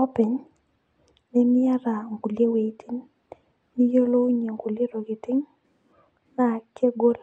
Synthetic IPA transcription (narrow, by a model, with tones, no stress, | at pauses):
ɔ˦pɪ˨n | nɛ˦mɪ˦a˦ɾa˨ŋɡu˨lje˦we˨˦ti˦nː | i˦jo˦lo˦ɲe˨ŋɡu˨le˦ɾo˨ɡɪ˨tɪ˦ŋ | na˨ke˦ɡo˦l